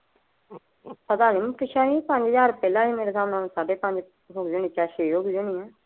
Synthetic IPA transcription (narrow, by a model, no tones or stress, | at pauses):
pəd̪aːnĩːmkɪʃãːĩːpəɲd͡ʒzaːɾpɛːlãːiːmeːɾeːzaːmnãːnũsaːɖeːpə̃ɲd͡ʒ | ɦʊɡd͡ʒʊniːt͡ʃaːʃeːjoːɡd͡ʒʊniːɛ̃ː